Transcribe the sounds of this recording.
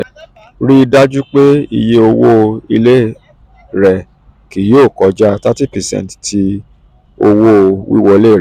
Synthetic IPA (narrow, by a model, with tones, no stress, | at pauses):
ɾi˦i˧da˦d͡ʒu˦k͡pe˦i˧je˦o˧wo˦i˧le˦ | ɾɛ˨ | ki˨˦joː˦˨kɔ˨˦d͡ʒa˦˧ta˦ti˦pɛ˨sɛ̰̃˧nttʰi˧ | o˧wo˦wḭ˦wɔ˧i˧le˦˨ɾɛ˨